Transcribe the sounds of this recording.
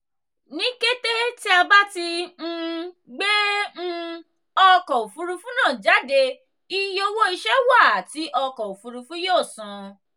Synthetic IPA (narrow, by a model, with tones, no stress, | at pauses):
nĩ˦ke˦te˦ti˦a˧ba˦ti˧n̩˧ | ɡ͡be˦n̩˦ | ɔ˧kɔ˨u˨fu˨˦ɾu˧fũ˦nãː˦˨d͡ʒa˨˦de˧ | i˦jo˧wo˦i˧ʃɛ˦wa˦˨a˨ti˨˦ʔɔ˧kɔ˨o˨fu˧ɾu˧fũ˦joː˦˨sũ˨˧